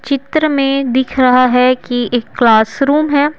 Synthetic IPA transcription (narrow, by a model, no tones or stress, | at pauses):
t͡ʃɪt̪ɾəmẽd̪ɪkʰɾɐɦaɦɛkieːkːlaːsɾuːmɦɛː